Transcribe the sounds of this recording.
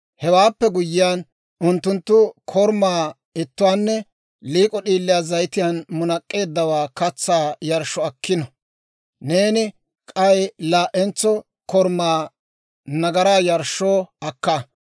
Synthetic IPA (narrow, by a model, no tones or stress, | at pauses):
hɛwaːpːɛɡʊjːɪjaːn | ʊnt̪ːʊnt̪ːʊkʰɔɾmaː | ɪt̪ːʊwaːnːɛ | liːkʼɔɗiːlːɪjaːzɐjt̪ɪjanmʊnɐkʼːe̞ːd̪ːɐwaːkɐt͡sːaːjɐɾʃɔɐkʰːɪnɔ | ne̞ːnɪ | kʼɐjlaːʔɛnt͡sːɔ | kɔɾmaː | nɐɡɐɾaːjɐɾʃːoːɐkːa